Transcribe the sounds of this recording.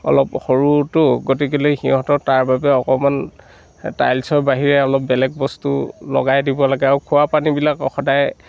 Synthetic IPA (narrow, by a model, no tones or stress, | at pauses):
ɔ̰lɔpxoɹutʊɡot̬ik̬ilojxĩɦɔ̃tɔtaɹbabɛɔkɔman | ta̰jlsɔɹbaɦiɹɛɔlɔp̚bɛlɛk̚bɔstṵlɔ̰ɡajdibɔlaɡɛaɹukʰʊwapanibilakɔxɔdaj